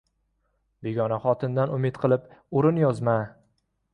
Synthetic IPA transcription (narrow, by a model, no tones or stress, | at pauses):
be̞ɡʲɒnaχɒt̪ʰɪnd̪anʊmɪt̪qʰɨlˠɪpʊɾɪnjɒzma